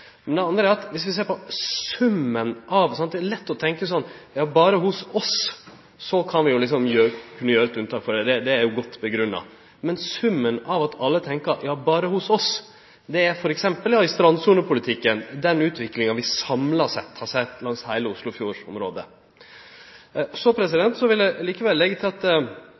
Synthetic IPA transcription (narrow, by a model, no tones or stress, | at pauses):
mɛnd̪ɛɑnd̪ɾəæɾɑt̪ʋɪsʋɪseːɾpɔsʉmːənʔɑʋsɑnt̪̚d̪ɛælɛt̪ːɔt̪ʰɛŋkəsɔnːjɑːbɑːɾəhʊsɔs | sɔkʰɑnʋɪjʊlɪks̬ɔmjøkʰʉnːəjøːɾəɛt̪ʉnət̪ʰɑːkfɔɖ̪ɛd̪ɛd̪ɛæɾjʊɡɔt̪ːbəɡɾʉnːɑ̰ | mɛnsʉmːənɑʋɑt̪ʰɑlːət̪ʰɛŋkəɾjɑːbɑːɾəhʊsɔs | d̪ɛæɾfɔɾɛksɛmpəljɑɪst̪ɾɑnsuːnəpʰʊlɪt̪ʰɪkːənd̪ɛnʉːt̪ʰʋɪkːlɪŋɑʋɪsɑmlɑʂɛ̰t̪ːhɑɾsɛt̪ːlɑŋshæɪləʊslʊfjuːɾɔ̰mɾoːd̪ə | sɔpʰɾɛs̬ɪd̪ɛnt̪sɔʋɪlːɛliːkəʋɛlːɛɡːət̪ɪlɑt̪